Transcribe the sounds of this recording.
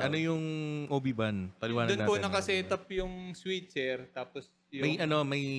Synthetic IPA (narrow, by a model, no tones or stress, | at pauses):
ʔʔɐnojʊŋʔoːbibɐnpɐlɪwaːnɐd̪ʊnapʊnɐkɐsɛt̪ɐpjʊŋswit̪̚sɛɾt̪aːpos | jʊmɐjjʔɐno̞mɐj